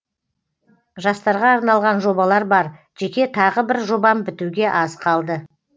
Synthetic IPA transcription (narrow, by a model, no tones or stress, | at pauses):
ʒɑst̪ɑɾʁɑːɾnɑlˠʁɑnʒo̞bɑlˠɑɾbɑɾ | ʒ̥e̞kʲe̞t̪ʰɑʁəbɪɾʒo̞bɑmbɪt̪uɡʲe̞ʔɑzqʰɑlˠd̪ə